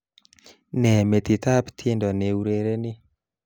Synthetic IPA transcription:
nɛ˨me˨t̪i˨t̪a˦bt̪ʰje˦ndɔ˨ne˨uɾe˨ɾe˦ni˦

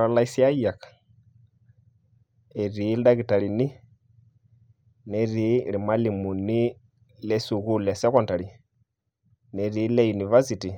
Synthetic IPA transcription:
ɾa˨la˦isi˦a˦ja˨k | ɛ˨ɾi˨˦lda˦ɣi˨ta˨ɺi˨ni˦ | nɛ˨ɾi˨˦li˨ma˦li˨mu˨ni˦ | lɛ˦su˨ɣu˦lɛ˨sɛ˦kɔ˦nta˨ɾi˨ | nɛ˨ɾi˨˦lɛ˦ju˨ni˨va˦si˨ti˨

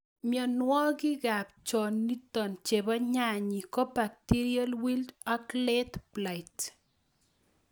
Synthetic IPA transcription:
mjɔ˨nwɔ˦ɡi˦ɡa˨p̚t͡ʃɔ˨nːi˦tɔ˨nt͡ʃe˨bɔ˦ɲa˦˨ɲi˨kɔ˦ba˨k̚ti˦ɾia˦lwi˦lda˦klɛ˦tpla˨ɪt

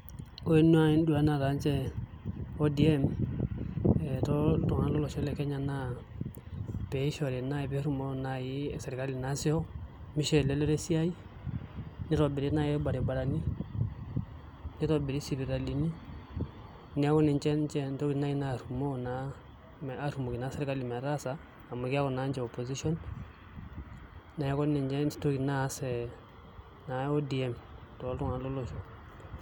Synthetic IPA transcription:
o˦e˦nu˦a˦i˦n˦du˨a˨˦na˨ta˨˦nt͡ʃɛ˦ | o˦di˨ɛ˦m | ɛ˨tɔ˦tɔ˨ŋa˦nlɔ˦lɔ˨ʃɔ˦lɛ˨kɛ˦ɲa˨na˦ | pɛ˨˦ʃɔ˨ɾe˨na˦i˨pe˦ɾu˨mo˦na˨ji˦ɛ˨se˨ɾi˨ka˦li˨na˦si˦ɔ˦ | mi˦ʃɛ˨lɛ˦le˦ɾe˦si˦a˦i˦ | ni˦ɾɔ˨bɪ˨ɾi˦na˦ji˦ba˨ɾi˨ba˨ɾa˨ni˦ | ni˦ɾɔ˨bɪ˨ɾi˦si˨ɾi˨ɾa˨li˨ni˦ | ni˨a˦kɔ˦ni˨ɲt͡ʃɛ˦nt͡ʃɛ˦nto˦kina˦i˦na˦˨ɾumo˦na˦ | ma˦ɾu˨mo˨ki˨na˦se˦ɾka˦li˨mɛ˨a˨ɾa˦saː˨ | mo˨kɪ˦a˦kɔ˨na˨˦ɲd͡ʒɛ˨o˨po˨si˦sɔ˦n | na˨ja˦kɔ˦ni˨ɲd͡ʒɛ˦to˦ki˨na˦sɛ˨ | na˨o˦di˨ɛmtɔ˨˦ltu˦ŋa˨lo˦lo˦ʃɔ˨

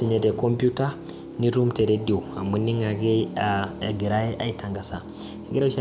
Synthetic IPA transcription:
i˨ɲe˨de˨ko˦mpu˦ta˦ | ni˦ɾu˦mte˨ɾe˦di˨o˨a˨mu˦ni˦ŋa˨ɡe˦a˨ɡi˨ɾa˦je˦ʔa˨i˦tʰa˨ŋɡa˨sa˨ | ɡi˦ɾa˦ʃa˦

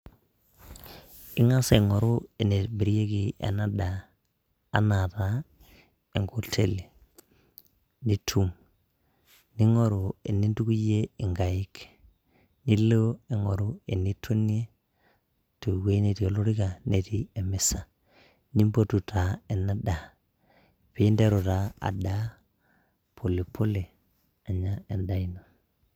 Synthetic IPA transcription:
ɪ˦ŋa˦se˨ŋɔ˨ɾʊ˦e˨ne˨bi˨ɾi˦je˦ki˨ɛ̰˨na˦daː˨˦ | na˨ta˦ | e˨ŋɡo˨tʰe˦le˨ | ni˦tʰu˦m | ni˦ŋɔ˦ɾu˨e˨nːi˦ntu˦ku˦je˦ɪ˨ŋɡa˨ɪ˦k | ni˦lo˦e˨ŋo˨ɾu˦e˨ni˦tʰo˦n˦e˦ | to˨we˦ne˨ti˨o˨lo˦ɾi˦ɡa˨ne˨tie˨me˨sa˨ | ni˦mbo˦tu˨tʰa˨e˨na˦da˨ | pi˦nde˦ɾo˨ta˦a̰˨da˦ | pʰo˨le˨pʰo˦le˨ | a˨ɲa˦e˨nda˦˨ino˨

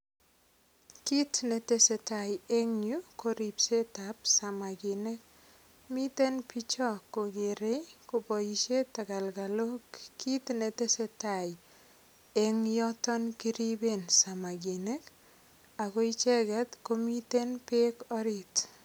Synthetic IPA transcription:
ki˦tne˨te˦se˨ta˨je˦ŋɲu˦ko˦ɾi˨pse˦tapsama˨ɡi˨ne˦k̚ | mi˦te˦npi˦t͡ʃɔ˦kːo˨ɡe˨ɾe˦jko˨po˨jiʃe˦ta˨ka˨lkalo˦kkːi˦tne˨te˦se˦ta˨j | eŋjɔtɔnki˦ɾibe˨nsa˨ma˨ɡi˨ne˦k | a˨ko˦it͡ʃɛɡɛ˨t̪komite˦npekɔ˦ɾit

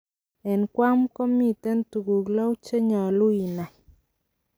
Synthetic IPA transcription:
ɛ˨nkwa˦mkɔ˦mi˦˨tɛ˦ntu˨ɡu˨klɔ˦wt͡ʃe˦ɲɔ˨lu˦i˨na˨

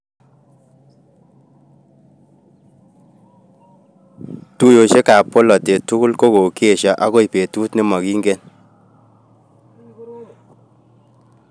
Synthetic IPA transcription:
tu˦jo˨ʃe˦ka˨po˦lɔ˨te˨tu˦ku˦lko˦ko˨ke˦˨ʃɔ˨ʔa˦ko˦i˨pe˨tu˦tnɪ˦mɔ˨kiː˦ŋɡe˦n

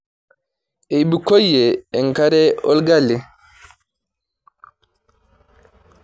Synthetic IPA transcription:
e˨jbi˨ko˦jːeː˨ŋka˦ɾɛ˦ɔ̰˦lɡa˦lːi˨

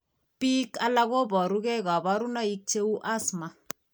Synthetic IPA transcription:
pi˦ka˦la˦ɡo˦bɔ˨ɾu˦ke˦ka˨ba˦ɾu˦na˦i˦k̚t͡ʃe˦u˦ʔa˦sma˨

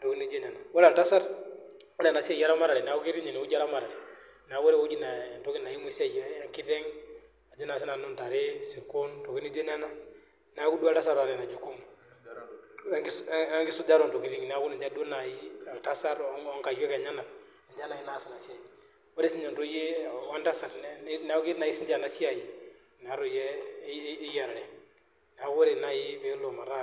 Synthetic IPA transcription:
to˨ki˦ni˦d͡ʒe˦na˨na˨wa˦la˨lta˦sa˦ɾ | wa˦le˨na˨si˦a˦ja˦ɾa˦ma˦ɾa˨lɛ˨n˨a˨u˦ki˦ɾi˦ɲe˨ne˨u˦d͡ʒa˦ɾa˦ma˨ɾa˨lɛ˨ | n˨a˨ɡu˦ɾe˦u˦d͡ʒi˦na˨nto˦ki˦na˨ji˦mu˦si˦a˦˨ja˦ŋki˦tɛ˦ŋ | a˨d͡ʒu˦na˨s̬i˦na˨nu˦nta˨ɾe˦si˨ko˦nto˨ki˦ni˦d͡ʒe˦na˦na˦ | n˨a˨˦ku˦du˦a˨lta˦sa˦ɾa˨ɾe˨na˨d͡ʒu˦ko˦m˦ | ŋɡɪ˦sʊ˦d͡ʒa˦ɾo˨nto˨ki˨˦ɾi˦kn˨a˨˦ku˦ni˨d͡ʒa˦do˦na˨ji˦a˨lta˦sa˦ɾɔ˦ŋka˨jɛ˦kɛ˨ɲa˦na˨ | ni˨nd͡ʒa˦na˨ji˦na˦si˨na˨sja˨i˨ | wo˦ɾe˨si˦ɲd͡ʒa˨nto˦je˦a˨wa˦nta˦sa˨ɾnɛ˦na˦ki˦na˨ji˦si˦nda˨na˨sja˨ji˨ | n˨a˨˦ɾo˨jɛː˦ | ja˨ɾɾɛ˦ | nɛ˨a˨ku˦wo˦ɾe˨na˨ji˦be˨˦lo˨ma˨ɾa˦

